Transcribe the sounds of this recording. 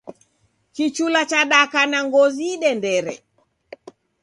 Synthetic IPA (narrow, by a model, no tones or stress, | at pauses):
kit͡ʃulat͡ʃaɗakanaŋɡɔziɗɛndɛɾɛ̰